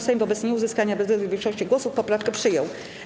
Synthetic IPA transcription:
sɛjmvɔbɛt̪sɲɛuzɘskaɲabɛzɛd̪uvʲjɛŋkʂɔɕt͡ɕiɡwɔsufpɔpɾafkɛpʂɘjɔw

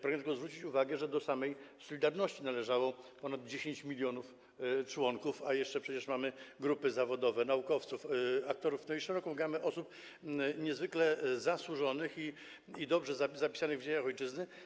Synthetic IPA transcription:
pɾaɡɛt̪ɛɡɔzvɾut͡ɕit͡ɕuvaɡɛʐɛd̪ɔsamɛjsɔlʲid̪aɾnɔɕt͡ɕinalɛʐawɔpɔnad̪̚d͡ʑeɕeɲt͡ɕmʲilʲjɔnuf | t͡ʂwɔŋkufajɛʂt͡ʂɛpʂɛt͡ɕɛʂmamɘɡɾupɘzavɔd̪ɔvɛnaukɔft̪sufak̚t̪ɔɾufnɔjiɛɾɔkɔmɡamɘʔɔsup | ɲɛzvɘklɛzaswuʐɔnɘxi | id̪ɔbʐɛzazapʲi̥sanɘɣvd͡ʑeɲaxɔjt͡ʂɘznɘ

